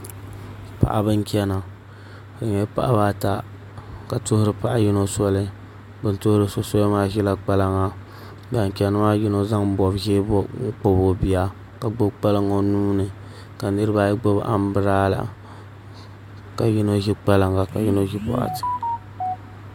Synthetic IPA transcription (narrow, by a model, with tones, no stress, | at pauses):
pa̰˨ʔa˨bɨ˦ŋ˦kʲɛ˦na˨ | bɨ˨ɲ˨ɛ˦pa̰˦ʔa˦ba˦ta˦ | ka˨tʊ˦hʊ˦ɾɨ˨pa˨ʔa˦ji˦no˦sɔ˦lɨ˦ | bɨ˨n˦tʊ˦hʊ˦ɾɨ˦so˦sɔ˦lmaː˦ʒɛ˦la˦k͡pa˦la˦ŋa˨ | ba˨ŋ˨kʲɛ˨nɨ˦ma˦ji˦no˦za˦ŋ˦bɔ˨bʒe˦bŋ̩˦k͡po˦bo˨bi˨a˦ | ka˨ɡ͡bo˦bk͡pa˦lɨ˦ŋo˨nuː˦nɨ˨ | ka˨nɨ˦ɾɨ˦ba˦ji˦ɡ͡bo˦bʔa̰˨m˦bɨ˦ɾaː˦la̰˨ | ka˨ji˦no˦ʒi˦k͡pa˦la˨ŋa˨ka˨ji˦no˦ʒi˦pɔ̰˦a̰˨tɨ̥˨